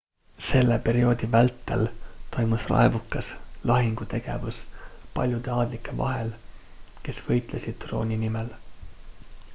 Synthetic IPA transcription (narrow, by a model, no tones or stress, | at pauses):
se̞lːepe̞ɾio̞ːd̪̥ivælt̪ːˑḛlt̪o̞jmusrɑ̰evukːˑɑslɑɦiŋɡ̥ut̪e̞ɡ̥e̞̰vuspɑ̰lʲjud̪̥e̞ɑːd̪likːˑe̞vɑ̰ɦel | ke̞sv̥ɤ̞jt̪ˑlesid̪̥̚t̪ro̞̰ːnʲinimel